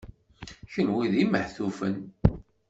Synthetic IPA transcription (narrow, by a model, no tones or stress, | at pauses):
çənwiðiməħθufən